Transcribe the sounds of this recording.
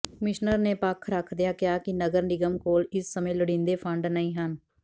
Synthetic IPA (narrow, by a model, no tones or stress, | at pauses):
kəmɪʃnəɾneːpəkʰɾəkʰd̪ɪjaːkɪjaːkɪnəɡəɾnɪɡəmkoːlɪsːəmẽːləɽɪ̃ːnd̪eːpʰəɳɖnəĩːɦən